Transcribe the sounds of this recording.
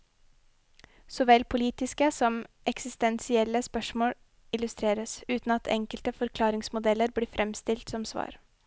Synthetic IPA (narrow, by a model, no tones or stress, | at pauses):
sɔʋɛlpʰʊliːt̪ɪskəsɔmʔɛksɪst̪ɛnsɪɛlːəspœʂmoːɽ | ɪlʉst̪ɾeːɾəsʉːt̪n̩ɑt̪ʰɛ̰ŋkəlt̪əfɔɾkʰlɑːɾɪŋsmʊd̪ɛlːəɾbɽiːfɾʔɛmst̪ɪlt̪sɔmsʋɑ̰ːɾ